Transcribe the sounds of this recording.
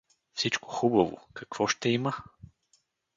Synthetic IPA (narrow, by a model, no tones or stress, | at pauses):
fsit͡ʃko̥xubɐvo̰kɐkv̥ɔʃt̪ɛimə